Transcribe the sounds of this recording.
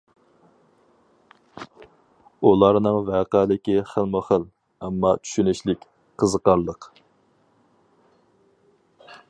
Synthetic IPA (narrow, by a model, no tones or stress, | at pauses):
ulˠɑɾnɨŋvæːqæːlɪkʲiχəlˠmʊχəl | ɛmːɑt͡ʃʰy̥ʃynyʃlɪkʲ | qʰəzəqɑɾlˠəq